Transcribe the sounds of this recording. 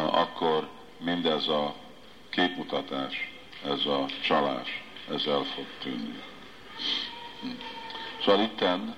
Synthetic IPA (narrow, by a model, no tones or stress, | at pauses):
ɒ̰kːo̞r | mind̪ɛzɒ | keːput̪ɒt̪aːʃ | ɛzɒt͡ʃɒlaːʃɛzɛlfo̞ɡ̚t̪ynːḭ | soːʋɒlit̪ːɛn